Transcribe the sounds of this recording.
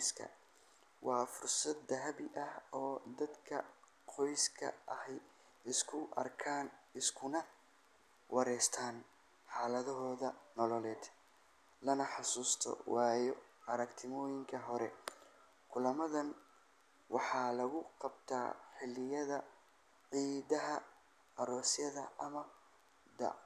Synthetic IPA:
skʰɐ̰ | wɑːfʊrsɐd̪ːɐɦɐβɪʔɐhɔːd̪ɐd̪kʰɐ | qʰɔjskʰɐ̰ʔɐhɛj | ɪskʰʊʔɐ̰rkʰaːnɪskʰʊnɐ | wʔɑɾɛːst̪ʰaːn | ħɑːlɐðɔɦɔːðɐnɔlɔlɛːd̪ | lɐnɐħɑsuːst̪ʰɔ̰wɑːjɔɐɾɐkt̪ʰɪmɔːjɪŋkʰɐɦɔɾɛ̰ | kʰʊlɐmɐðɐn | wɑħɑːlɐɣʊqɑbt̪ʰa̰ːħɪlːɪjɐðɐ | ʕiːðɐɦɐ | ɐɾɔːsjɐðɐ̰ʔɐmɐ | d̪ɐ̰

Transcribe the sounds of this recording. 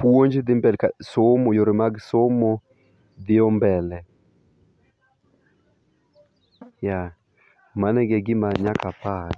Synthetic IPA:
pwoɲd͡ʒd̪ɪmbɛlkasomojoɾɪmaɡsomo | d̪ɪɔmbɛlɛ | ja | manɛɡɛɡɪmaɲakapa

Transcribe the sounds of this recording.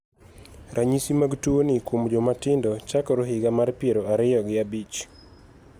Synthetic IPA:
ɾʔaɲisimaɡtuonɪkomd͡ʒomatɪndɔt͡ʃakɔɾoɦɪɡamarpjeɾoaɾɪjɔɡɪabit͡ʃ

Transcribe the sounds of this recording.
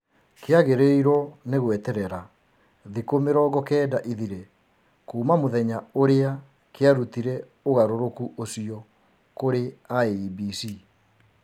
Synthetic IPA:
keaɣeɾeiɾɔneɣwɛtɛɾɛɾa | ðikomeɾɔːɣɡɔkɛːdaʔiðiɾe | kuːmamoðɛɲaoɾea | keaɾutiɾɛ | oɣaɾoɾokuʔosiɔ | koɾeaeibisi

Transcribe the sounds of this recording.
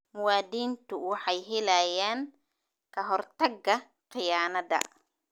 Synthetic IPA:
mʊwaːd̪iːnt̪ʰʊwɑħɑjɦɛlɐjaːŋ | kʰɐɦɔrt̪ʰɐɡɐ | qɪjaːnɐdɐ̰

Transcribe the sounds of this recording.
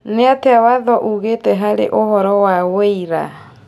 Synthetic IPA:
neateawaðɔʔuɣeːtɛɦaɾeʔohɔɾɔwaweiɾa̰

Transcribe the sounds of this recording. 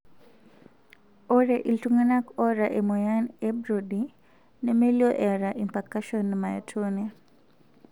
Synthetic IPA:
oɾɛʔiltuŋanakɔɾaʔemɔjanɛbɾodi | nɛmeljoʔɛɾaʔimpakaʃɔnmaja̰tʰona

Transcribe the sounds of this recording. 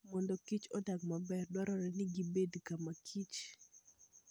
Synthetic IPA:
mɔndɔkit͡ʃɔdaɡmabɛrdɔɾɔɾɛnɪɡibedkamakʰit͡ʃ

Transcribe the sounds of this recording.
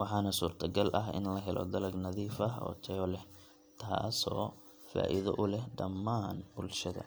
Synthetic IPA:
wɑħɑːnɐsuːrt̪ʰɐɡɐlʔɐɦɪ̰nlɐɦɛlɔ̰d̪ɐlɐɡnɐðiːfɐɦɔ̰ːt̪ʰɛɔlɛh | t̪ʰaːsɔː | fa̰ːʔɪðɐʔʊlɛhɖɐmːaːnbʊlʃɐðɐ̰

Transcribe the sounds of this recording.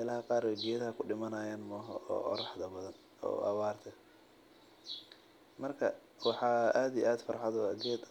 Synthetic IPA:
lɐɦɐqɑːɾɛjɡɛːðɐɦɐkʰʊɖɪmɐnɐːjaːnmɔːɦɐɔ̰ːʔɔ̰ɾɑħd̪ɐbɐðɐn | ɔ̰ːʔɑ̰wɑːrt̪ʰɐ | mɐrkʰɐ | wɑħɑːaːd̪ijʔaːd̪fɐɾħɑðɔɐd̪ɛːd̪

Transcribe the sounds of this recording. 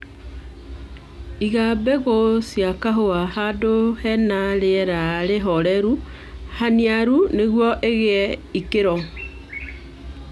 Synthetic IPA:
iɣabɛɣosjakaɦoahadohɛnaɾeɛɾaɾeɦɔɾɛɾu | haniaɾuneɣwɔʔeɣeɛikeɾɔ

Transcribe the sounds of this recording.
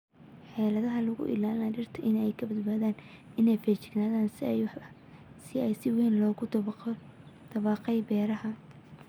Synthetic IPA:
ħɛːlɐðɐɦɐlɐɣʊ̰ʔɪ̰laːlnaːt͡ʃɪrt̪ʰɐʔɪnɛjkʰɐbɐd̪baːðaːn | ɪnɛjfɛt͡ʃɪɡnaːðaːns | sɪɛjsɪwɛːnlɔːɣʊ | d̪̥ɐβɑːqɛjbɛːɾɐhɐ

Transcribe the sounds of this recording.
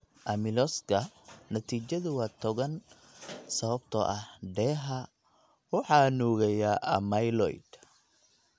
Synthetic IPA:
ʔɐmɪlɔskʰɐnɐt̪ʰiːt͡ʃɐðʊwɑt̪ʰɔɣɐn | sɐβɐb̚t̪ʰɔ̰ʔɐhɖɛːɦɐ | wɑħɑːnɔːɣɛjɐʔɐmɐjlɔ̰jd̪̥

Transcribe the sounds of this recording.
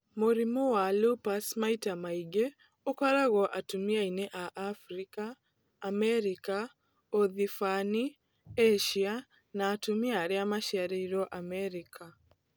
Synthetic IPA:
moɾimɔwalupasmaitamaiɡe | okwaɾaɣɔʔatumiaineʔaʔafɾikaː | mɛɾika | oðifani | eʃia | naːtumiaɾeamaʃaɾɛiɾɔʔamɛɾikʰa

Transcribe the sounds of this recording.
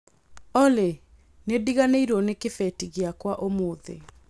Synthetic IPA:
ɔle | nediɣaneiɾɔnekefɛtiɣeakwaʔomoːðḛ

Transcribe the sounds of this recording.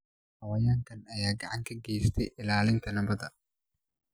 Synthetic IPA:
hɐwɐjaːŋkʰɐnɐjaːɡɐ̰ʕaŋkʰɐɡɛːst̪ʰɛʔɪlaːlɪnt̪ʰɐnɐbɐd̪ɐ

